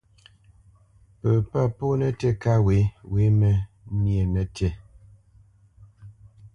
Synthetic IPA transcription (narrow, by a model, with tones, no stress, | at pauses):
pə˨pa˦˨po˦nə˦tɛ˦˨ka˦we˨˦we˨˦mə˨˦ | nje˨nə˦tɛ˦˨